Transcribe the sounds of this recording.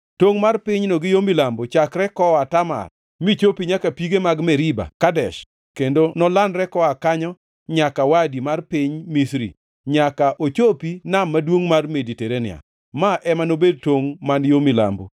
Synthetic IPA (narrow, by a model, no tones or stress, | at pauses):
toŋmarpɪɲnoɡɪjomilambot͡ʃakɾɛkɔatama̰r | mit͡ʃopiɲakapiɡemaɡmɛɾiba̰kadɛʃ | kendonɔlanɾɛkɔakaɲɔ | ɲakawadimarpɪɲmisɾḭ | ɲakaʔot͡ʃopinamːadwoŋmarmediteɾenɪ̰a̰ | maʔɛmanobed̚toŋmanjomila̰mbo̰